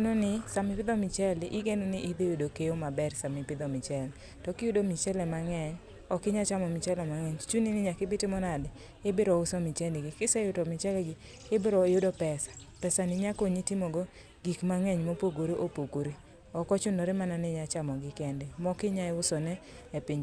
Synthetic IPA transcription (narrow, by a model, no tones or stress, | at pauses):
nonɪsamɪpɪd̪ɔmɪt͡ʃɛlʔɪɡenonɪʔɪd̪ejodokejomabɛrsamɪpɪd̪ɔmɪt͡ʃɛl | tɔkɪjudomɪt͡ʃɛlɛmaŋɛɲ | ɔkɪɲat͡ʃamɔmɪt͡ʃɛlɛmaŋɛɲt͡ʃuninɪɲakɪbɪtɪmɔnad | ɪbeɾɔʊsɔmɪt͡ʃɛndɡɪkɪsɛjʊtomɪt͡ʃɛlɛɡɪ | ɪbeɾɔjodopɛsḁpɛsanɪɲakoɲitɪmoɡo | ɡikmaŋɛɲmopoɡoɾeʔopoɡoɾi | ɔkɔt͡ʃʊnoɾemananɪɲat͡ʃamɔɡɪkɛndemɔkɪɲaɪʊsɔnɛ | ɛpiɲ